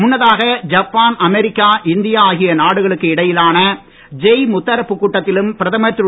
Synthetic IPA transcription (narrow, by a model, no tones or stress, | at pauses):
mʊnːɐðaːɣɐd͡ʒɐpːaːnɐmɛɾɪkːaːʔɪnd̪ɪjaaːɣɪjɐnaːɽɯɣɐɭɯkːɯɪɽɐjɪlaːnɐ | d͡ʒɛjmʊt̪ːɐɾɐpːɯkːuːʈːɐt̪ːɪlɯmpɪɾɐðɐmɐt̪ɾɯ